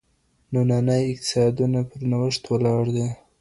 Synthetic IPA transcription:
nonɑnəjɪq̚t̪ɪ̥sɑd̪unapəɾnawəʂt̪walɑɽd̪e

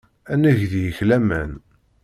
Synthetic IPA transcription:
ænəʝðijəçlæmæ̰n

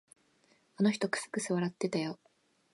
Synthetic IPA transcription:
ano̞çi̥t̪o̞kɯ̟̥sɨ̥kɯ̟sɨβaɾat̪ːe̞t̪ajo

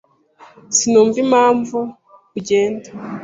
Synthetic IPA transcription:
sinoːɱvimaːɱvu | kuɟeːndḁ

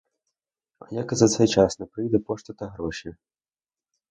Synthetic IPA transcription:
ɐ̰jakɐzat̪sajt͡ʂasnɐpɾɨjd̪ɛpɔʂt̪ɔt̪ɐɣɾɔʂi

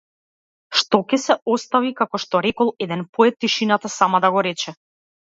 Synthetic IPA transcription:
ʃt̪ɔkɛsɛɔst̪avikakɔʃt̪ɔɾɛkɔlˠɛd̪ɛnpɔɛt̪ːiʃinat̪asamad̪aɡɔɾɛt͡ʃɛ

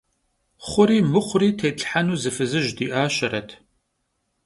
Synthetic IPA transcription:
χʷʊɾiːmɨχʷʊɾiːtʰeːtʼħanuːzɨfɨzɨʒdiːʔaːʃɐɾɐtʰ

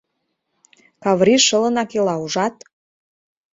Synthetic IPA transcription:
kɑβriʃə̆lə̆nɑkelɑuʒɑt̪̚

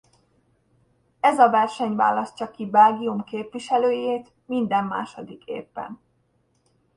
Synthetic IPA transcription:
ɛzɒvɛrʃɛɲva̰ːlɒscɒkibɛlɡiumkeːpʋiʃɛløːjeːt̪ | mind̪ɛmːa̰ːʃod̪ikḛːpːɛ̰n

